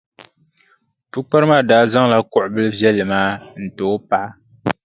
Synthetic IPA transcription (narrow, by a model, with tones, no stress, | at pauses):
pu˦k͡pa˦ɾɨ˦maː˦daː˨˦za˦ŋla˦kʊ˨ʔʊ˨bɨ˦lvjɛ˦lːɨ˨maː˦n̩˨to˨˦pa˦˨˦